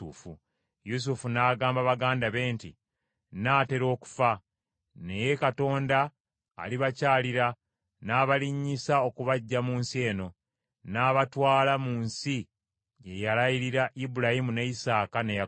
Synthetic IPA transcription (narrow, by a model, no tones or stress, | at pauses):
ufṵ | jus̬ufunaːɡaːmbaβaɡaːndaβe̞ːntḭ | naːte̞ɾo̞ːku̥fa | ne̞jekato̞ːnda̰ː | liβacaːliɾa | naːβaliɲːisao̞kuβaɟːamuːnsie̞ːno̞ | naːβatwaːlamuːnsi | je̞jalajiɾiɾaʔibuɾahimuneisaːkaneja